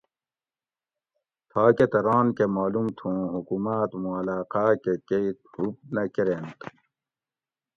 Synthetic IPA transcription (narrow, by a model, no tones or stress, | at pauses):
t̪ʰaːket̪ɐɾaːnkemaːlumt̪ʰũːɦukumaːt̪mũɐlaːqaːkekeit̪hup̚nɐkeɾent̪ʰ